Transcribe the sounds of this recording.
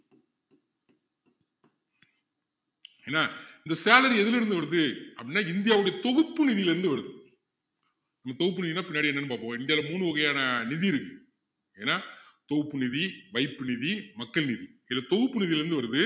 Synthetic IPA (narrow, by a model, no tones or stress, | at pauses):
eːnːaːɪnd̪ɐsaːlɐɾiɛðɪlɪɾɯnd̪ɯʋɐɾɯðɯɐpɐɽɪnːaːɪnd̪ɪjaːʋɯɽɐjɐt̪ɔɣɯpːɯnɪðɪjɪlɛɾɯnd̪ɯʋɐɾɯðɯ | nɐmːɐt̪ɔɣɯp̬ːɯnɪðiɪnːaːpɪnːjaːɽiɛnːɐnːɯpaːpːõːɪnd̪ɪjaːlɐmuːɳɯʋɐɣɐjaːnɐnɪðiɪɾɯkːɯ | eːnːaːt̪ɔɣɯpːɯnɪðiʋɐɪpːɯnɪðimɐkːɐɭnɪðiɪlːɐt̪ɔɣɯpːɯnɪðɪjɪlɛɾnd̪ɯʋɐɾɯðɯ